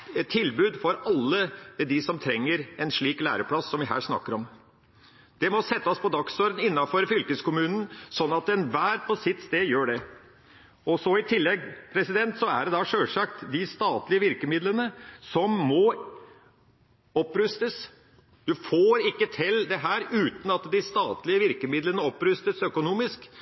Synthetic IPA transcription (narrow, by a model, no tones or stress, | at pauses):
t̪ʰːɪlbʉːd̪fɔɾɑlːəd̪ɪsɔmt̪ʰɾɛŋːəɾɛnʂɭiːklæ̰ːɾəpʰɽɑsːɔmʋɪɦæ̰ːʂnɑ̰kːəɾɔm | d̪̥ɛmɔsɛt̪ːəspʰɔd̪ɑksɔːɾd̪nɪnːɑfɔɾfʏlkəskʊmʉːnn̩sɔnːɑt̪ɛnʋæːɾpʰɔsɪt̪ːst̪eːd̪jøːɖɛ | ɔsɔɪt̪ʰɪlːɛɡpʰɾɛsɪd̪ɛnt̪sɔæ̰ɖɛd̪ɑʂøːlʂɑkt̪d̪ɪst̪ɑːt̪lɪəʋɪɾkəmɪd̪lənəsɔmːɔ | ɔpːɾʉst̪əs | ʋ̪ɪfoːɾɪkːət̪ʰɪld̪ɛɦæːɾʉːt̪n̩ɑt̪d̪ɪst̪ɑːt̪lɪəʋɪɾkəmɪd̪lənəɔpɾʉst̪əsœkʊnuːmɪsk